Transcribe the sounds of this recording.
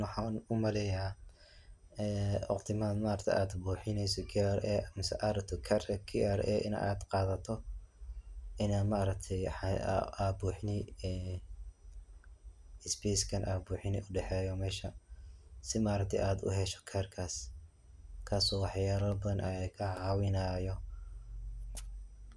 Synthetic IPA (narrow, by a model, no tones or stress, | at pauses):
wħɑnʊmɐlɛjaː | ɛːɔ̰qt̪ʰɪmaːnmaːɾɐkt̪ʰɛ̰jʔaːd̪buːħɪnɛjsɔkʰiɛɾɛmɪsɛ̰ʔaɾt̪ʰɔkʰɛɾkʰiɛɾʔɛ̰ʔɪ̰nʔa̰ːd̪qɑːðɐt̪ʰɔ | ʔɪnaːmaɐɾɐk̚t̪ʰɛjħɑ̰aːbuːħɪnɛjɛː | ɪspʰɛskʰɐnʔaːbuːħɪnɪ̰ʔʊɖɛħɛːjɔmɛːʃɐ | sɪmaːɾɐk̚t̪ʰɛjʔaːd̪ʊ̰ɦɛʃɔ̥kʰɛːrkʰaːs | kʰaːsɔːwɑħjaːlɐlbɐðɐnʔɐkʰɐʕɑːwɪnaːjɔ